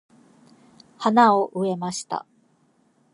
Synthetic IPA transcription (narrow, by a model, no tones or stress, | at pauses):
hanaoʔɯ̟e̞maɕi̥t̪a̰